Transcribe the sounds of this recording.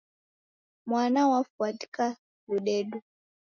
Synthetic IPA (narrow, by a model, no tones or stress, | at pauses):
mwanawafuati̥ka | ɓuɗɛɗu